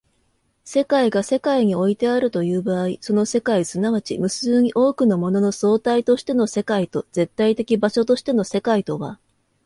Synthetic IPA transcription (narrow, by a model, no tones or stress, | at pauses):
se̞kaiɡase̞kaiɲ̟io̞it̪e̞aɾɯ̟t̪o̞jɯ̟ːbaːiso̞no̞se̞kaisɨnaβat͡ɕḭmɯ̟sɨːɲ̟iʔo̞ːkɯ̟no̞mo̞no̞no̞so̞ːt̪ait̪o̞ɕi̥t̪e̞no̞se̞kait̪o̞z̥e̞t̪ːait̪e̞kʲibaɕo̞t̪o̞ɕi̥t̪e̞no̞se̞kait̪o̞βa̰